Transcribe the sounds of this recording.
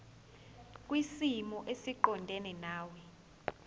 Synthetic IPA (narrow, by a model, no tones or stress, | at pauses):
k̬ʼwisimɔʔesiǃɔndʱɛnɛnaːwɛ